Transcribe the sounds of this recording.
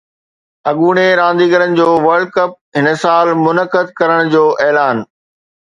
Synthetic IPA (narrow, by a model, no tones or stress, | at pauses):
ɐɠuːɽ̃eɾãːnd̪iːɡəɾənɪ̆d͡ʑoːʋɐɾɖ̚kəp̚ɦɪnəsaːlmʊnəkəd̪̚kɐɾəɽ̃d͡ʑoːʔɛːlaːn